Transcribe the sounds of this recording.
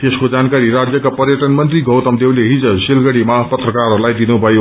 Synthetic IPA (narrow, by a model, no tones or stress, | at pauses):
t̪eskod͡zankaɾiɾad͡zjʌkapʌrjʌʈʌnmʌnt̪riɡʱʌwt̪ʌmd̪ewleɦid͡zʌsilɡʌɽimapʌt̪rʌkarlajd̪inubʱʌjo